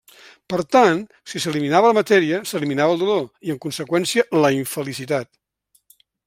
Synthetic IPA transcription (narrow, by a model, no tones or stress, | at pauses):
pəɾt̪an | sisəliminaβələmət̪ɛɾiəsəliminaβəlˠd̪uloiəŋkunsəkwɛnsiələiɱfəlisit̪at̪